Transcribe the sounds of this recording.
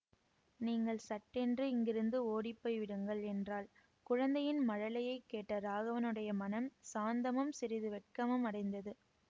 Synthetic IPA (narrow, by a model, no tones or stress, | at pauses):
niːŋɡɐɭsɐʈːɛndrɯɪŋɡɪɾɯnd̪ɯoːɽɪpːɐɪʋɪɽɯŋɡɐɭɛndraːl | kʊɻɐnd̪ɐjɪnmɐɻɐlɐjɐɪkːeːʈːɐɾaːɣɐʋɐnɯɽɐjɐmɐnɐmsaːnd̪ɐmɐmsɪɾɪðɯʋɛʈ̚kɐmɐmɐɽɐɪnd̪ɐðɯ